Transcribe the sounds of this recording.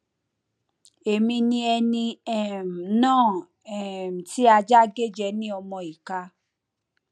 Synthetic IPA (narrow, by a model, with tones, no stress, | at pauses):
e˨mĩ˧nĩ˧ɛ˧nĩ˧ɛ˦˨m̩˨nãː˦˨ | ɛ˨m̩˨ti˦a˧d͡ʒa˦ɡe˦d͡ʒɛ˧˦nĩ˦ɔ˧mɔ̃˧i˨ka˧